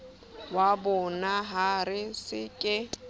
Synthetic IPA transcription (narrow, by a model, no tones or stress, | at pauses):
wabʊnaɦarɪsɪkʼɪ